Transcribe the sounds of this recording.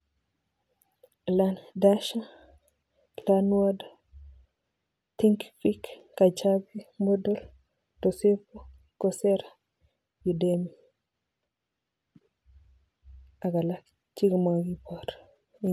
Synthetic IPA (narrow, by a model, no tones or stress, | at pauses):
landaʃa | lanwada | tiŋkfikkat͡ʃabimodol | tosepo | koseɾa | judemi | aɡalak | t͡ʃiɡmaɡipoɾ